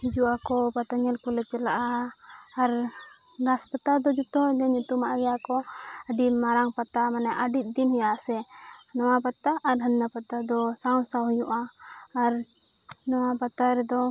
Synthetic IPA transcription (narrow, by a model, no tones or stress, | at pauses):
hid͡ʒuʔakɔpat̪aɲɛlkulɛt͡ʃɛlaʔaː | ɾ | ɾaspət̪ad̪ɔd͡ʒɔt̪ɔlɛɲut̪umaʔɡɛjakɔ | əɖimaɾaŋpat̪amanɛʔəɖit̪̚ˀd̪inhɛjaʔsɛ | nɔwapat̪aʔːɾɦənːapat̪ad̪ɔsaw̃saɦɔjuʔaː | ɾ | nɔwapat̪aɾɛd̪ɔ